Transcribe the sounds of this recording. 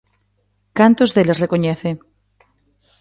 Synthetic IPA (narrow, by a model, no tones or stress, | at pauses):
kant̪ozðelesrekoɲeθe